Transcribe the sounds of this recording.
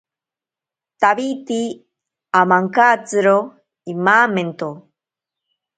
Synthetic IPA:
t̪aβit̪i | amaŋkaːt͡sɨɾo | imaːment̪o

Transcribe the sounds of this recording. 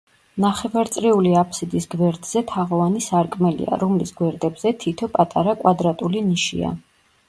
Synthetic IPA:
naχɛvaɾt̪sʼɾiuliapʰsid̪isɡvɛɾd̪z̥ɛt̪ʰaʁɔvanisaɾkʼmɛlḭa̰ɾɔmlisɡwɛɾd̪ɛbzɛt̪ʰit̪ʰɔpʼat̪ʼaɾakʼwad̪ɾat̪ʼuliniʃḭa̰

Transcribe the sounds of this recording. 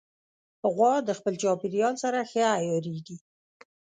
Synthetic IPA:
əɣwɑd̪əxpəlt͡ʃɑpɪɾijɑlsaɾaxjajɑɾeɡi

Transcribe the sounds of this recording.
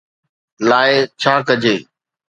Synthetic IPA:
laːet͡ʃʰaːkəd͡ʑʱeː

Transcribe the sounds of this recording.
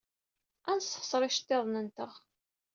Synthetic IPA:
ænsə̥χsˤɾˤɪʃt̪ːeðˤnənt̪əʁ

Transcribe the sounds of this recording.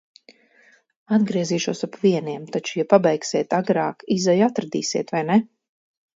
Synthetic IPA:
ad̪ɡɾiɛziːʃuɔsapviɛniɛmt̪at͡ʃujapabɛjksiɛt̪aɡɾɑːkizajat̪ɾad̪iːsiɛt̪vajnɛ

